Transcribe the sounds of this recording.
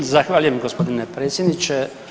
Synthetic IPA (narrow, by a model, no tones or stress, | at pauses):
zaxʋaːʎujemɡo̞spo̞d̪inepɾe̞ːt̪sjed̪nit͡ʃe